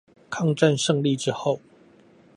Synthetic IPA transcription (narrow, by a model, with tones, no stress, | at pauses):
kʰɑ˥˨ŋʈ͡ʂa˥˨nʂɤ˥˧ŋli˥˨ʈ͡ʂɻ̩˥xo˥˨ʊ